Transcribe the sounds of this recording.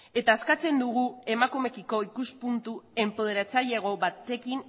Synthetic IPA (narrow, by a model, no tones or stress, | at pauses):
e̞t̪aːskat͡se̞nd̪uɣ̞ue̞makume̞kiko̞ikuspunt̪ue̞mpo̞ð̞e̞ɾat͡saʎeɣ̞o̞βat̪e̞kin